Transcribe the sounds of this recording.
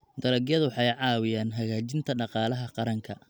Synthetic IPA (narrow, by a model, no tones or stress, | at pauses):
d̪̥ɐlɐɡjɐðwħɑjʕɑːwɪjaːnɦɐɣaːt͡ʃɪnt̪ʰɐɖɑqɑːlɐɦɐqɑɾɐŋkʰɐ̰